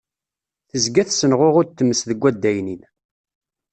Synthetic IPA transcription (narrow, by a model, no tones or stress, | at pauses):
θəzɡæθsənʁʊʁʊɾt̪ːəmːəsðəɡʷːæd̪ːæjnin